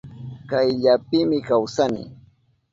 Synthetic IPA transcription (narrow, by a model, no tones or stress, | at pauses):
kajʎap̚ɪmɪkawsanɪ̰